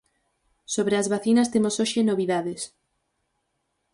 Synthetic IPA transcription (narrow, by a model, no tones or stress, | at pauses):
soβɾeazβaθinɐst̪emosoʃenoβiðaðes